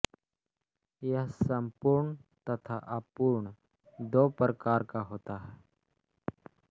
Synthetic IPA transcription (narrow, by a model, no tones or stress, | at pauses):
jasəmpuɾɳt̪ət̪ʰaʔapuːɾɳ | d̪opɾəkaɾkaɦoːt̪aɦɛ